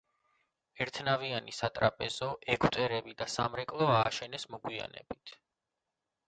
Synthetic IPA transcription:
ɛɾt̪ʰnavianisat̪ʼɾapʼɛzɔʔɛɡʰwt̪ʼɛɾɛbid̪asamɾɛkʼlˠɔaːʃɛnɛsmɔɡwia̰nɛ̰b̥it̪ʰ

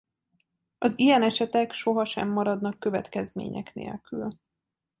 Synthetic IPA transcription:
ɒzijɛnɛʃɛt̪ɛkʃo̞ɦɒʃɛ̰mːɒɾɒd̪nɒkːø̞vɛ̰t̪kɛzmḛːɲɛ̰knḛːlkyl

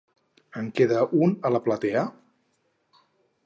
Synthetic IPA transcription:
əŋkeðəʔunələplat̪ɛə

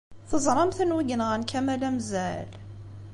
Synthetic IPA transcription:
θəzˤɾˤɑmθənwəɡnʁnkʰæmælæmzæl

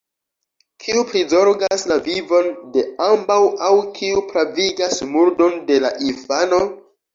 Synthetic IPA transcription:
kʰiupɾizo̞ɾɡaslavivo̞nde̞ambawawkʰiupɾaviɡasmuɾdo̞nde̞laʔifano̞

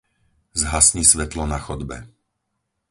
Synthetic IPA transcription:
zɦasɲisʋɛt̪lɔnaxɔd̪bɛ̰

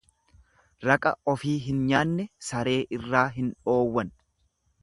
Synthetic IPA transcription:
ɾɐkʼɐ̰ɔfiːɦɪnɲaːnːɛsɐɾe̞ːʔɪrːaːɦɪnᶑo̞ːwːɐn

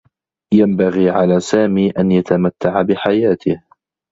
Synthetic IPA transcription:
jambaɣiːʕalaːsaːmiːʔanjat̪amat̪ːaʕabɪħajaːt̪ʰɪh

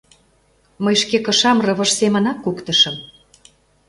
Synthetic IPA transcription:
məjʃkekɤ̆ʃɑmrɤ̆βə̆ʃsemə̆nɑkːukt̪ə̆ʃə̆m

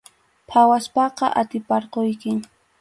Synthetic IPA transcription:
pʰawaspɑqɑʔat̪ɪpɑɾqojkɪ

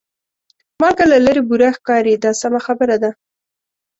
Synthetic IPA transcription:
mɑlkalaləɾebuɾaxkɑɾid̪ɑsamaxabəɾad̪a

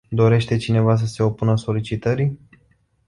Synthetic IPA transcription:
d̪o̞ɾe̞ʃt̪e̞t͡ʃine̞vas̬əse̞o̞punəso̞lit͡ʃit̪əɾi

